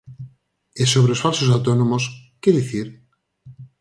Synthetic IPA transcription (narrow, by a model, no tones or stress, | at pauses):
esoβɾeosfalsosawt̪onõmoskeðiθiɾ